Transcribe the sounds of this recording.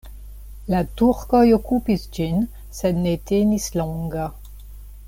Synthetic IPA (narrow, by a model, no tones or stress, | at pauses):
lat̪uʁkɔjɔkupisd͡ʒin | sɛd̪net̪enislɔ̃ɡa